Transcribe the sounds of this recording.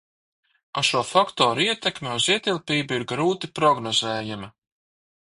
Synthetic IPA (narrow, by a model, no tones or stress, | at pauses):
aʃuɔfakt̪ɔːɾuiɛt̪ɛkmʲeuziɛt̪ilˠpiːbuiɾɡɾuːt̪ipɾɔɡnɔzɛːjamɐ